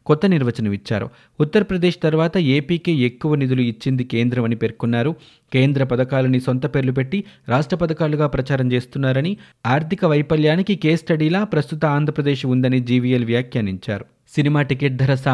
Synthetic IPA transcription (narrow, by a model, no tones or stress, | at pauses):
kɔt̪ːɐniɾʋɐt͡ʃɐnɐʋit͡ʃːa̰ːɾṵ | ut̪ːɐɾɐpɾɐd̪e̞ːʂt̪ɐɾʋaːt̪ɐe̞ːpiːkeːekːuʋɐnid̪uluit͡ʃːind̪ike̞ːnd̪ɾɐmɐnipe̞ɾkunːaːɾu | ke̞ːnd̪ɾɐpɐd̪ɐkaːlɐniso̞nt̪ɐpe̞ːɾlup̬e̞ʈːiɾaːʂʈɾɐpɐd̪ɐkaːluɡaːpɾɐt͡ʃaːɾɐmt͡ʃe̞ːst̪unːaːɾɐni | aːɾt̪ʰikɐʋɐjpɐljaːnikikeːsʈɐɽiːlaːpɾɐst̪ut̪ɐaːnd̪ʱɾɐpɾɐd̪e̞ːʃund̪ɐnid͡ʒiːʋijelʋjaːkʰjaniɲt͡ʃa̰ːɾu | sinimaːʈike̞ːʈ̚d̪ʱɐɾɐsaː